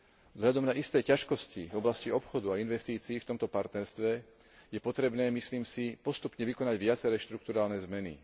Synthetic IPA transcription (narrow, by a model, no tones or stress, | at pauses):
vzɦʎad̪ɔmnaʔist̪ɛːcaʃkɔscivɔblasciɔpxɔd̪uainʋɛst̪iːt͡siːft̪ɔmt̪ɔpaɾt̪nɛɾst̪ʋɛ | jɛpɔt̪ɾɛbnɛːmisliːmsipɔst̪upɲɛʋikɔnaɟʋɪat͡sɛɾɛːʃt̪ɾuk̚t̪uɾaːlnɛzmɛnḭ